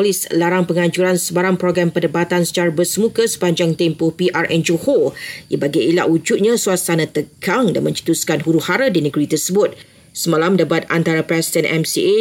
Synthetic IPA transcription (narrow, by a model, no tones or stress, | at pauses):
lislaɾaŋpəŋãd͡ʒuɾansəbaɾaŋpɾoɡɾampədəbat̪ansə̥t͡ʃaɾabərsəmũkəsə̥paɲd͡ʒaŋt̪ɛmpʊhpiʔarʔɛnd͡ʒohojəbaɡaila̰ʔud͡ʒut̪̚ɲãsuasanãt̪əkʰaŋda̰nmə̃ɲt͡ʃə̥t̪uskanhuɾuhaɾədinəɡɾit̪ərsəbʊt̪̚ | səmãlamdabat̪̚a̰nt̪aɾapɾɛsidɛnʔɛ̰msie